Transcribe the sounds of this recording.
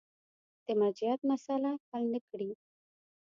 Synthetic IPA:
t̪emad͡ʒijat̪̚masalapalnəkɽi

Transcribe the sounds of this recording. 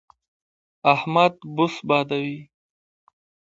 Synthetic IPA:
ahmad̪bʊsbɑːd̪awi

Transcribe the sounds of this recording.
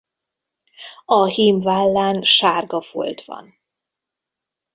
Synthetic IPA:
ɒhiːmvaːlːaːnʃaːrɡɒvo̰lt̪ʋɒ̰n

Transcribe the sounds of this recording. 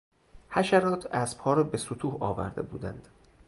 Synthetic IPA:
hæʃæɾɒːt̪ʰæsb̥hɒːɾɒːbesot̪ʰuːhɒːvæ̰ɾd̪e̞̰bṵːd̪æ̰nd̪̥

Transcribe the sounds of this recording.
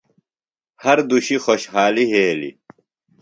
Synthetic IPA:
hɐɾd̪uɕixoɕɦaːliɦeːlḭ

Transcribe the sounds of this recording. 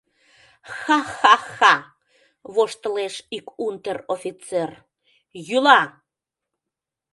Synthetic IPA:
xɑxɑxɑ | βoʃt̪əleʃikunt̪ərofʲit͡ser | jylɑ

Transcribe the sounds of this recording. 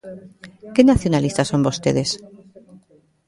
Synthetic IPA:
kenaθjonalist̪aso̞mbo̞st̪eðes

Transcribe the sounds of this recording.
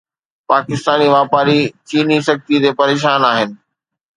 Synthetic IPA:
paːkɪst̪aːniʋaːpaːɾit͡ɕiːnisɐk̚t̪it̪eːpɐɾeːʃ̬aːnaːɦɪnɪ̆

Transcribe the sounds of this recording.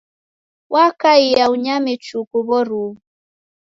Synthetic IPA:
wʔakaijauɲamɛt͡ʃukuβɔɾuβu

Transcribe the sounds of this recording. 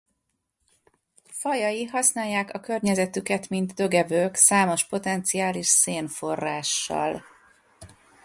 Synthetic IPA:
fɒjɒjiɦɒsnaːjːaːkɒkø̞rɲɛzɛt̪ykɛt̪mind̪d̪øɡɛvøːksaːmo̞ʃpo̞t̪ɛnt̪siaːliʃseːnfo̞rːaːʃːɒ̰l

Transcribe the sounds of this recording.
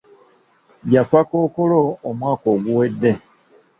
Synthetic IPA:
ɡjafakoːkoloːmwaːko̞ːɡuwe̞dːe̞

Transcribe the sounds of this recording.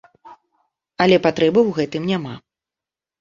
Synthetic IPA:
ɐlʲɛpat̪ɾɛbɨwɣɛt̪ɨmnʲama̰

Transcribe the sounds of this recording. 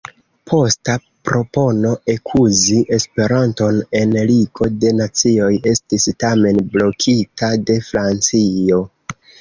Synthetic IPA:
pʰo̞sta | pɾo̞po̞no̞ekʰuziʔe̞spe̞ɾanto̞ne̞nliɡo̞de̞nat͡sio̞je̞stistame̞nblo̞kʰitʰade̞fɾant͡sio̞

